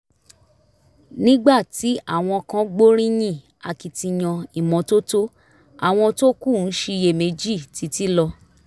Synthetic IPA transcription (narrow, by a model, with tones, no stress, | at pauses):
nĩ˦ɡ͡ba˦˨ti˨˦a̰˦˨w̃ɔ̃˧kã˦ɡ͡bo˦ɾ̃ĩ˦j̃ĩ˦˨ | a˧ki˨tĩ˧j̃ɔ̃˧i˨mɔ̃˨˧to˦to˦ | a˦˨w̃ɔ̃˧to˦ku˦˨n̩˦ʃe˧je˧˨me˨˦d͡ʒi˦˨ti˨˦ti˦lɔ˧